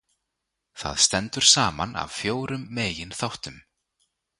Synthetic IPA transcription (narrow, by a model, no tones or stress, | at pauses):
θa̰ðst̪ɛnt̪ʏɾ̥saːma̰na̰vfjoːwɾʏmːeːjɪnθawht̪ʏm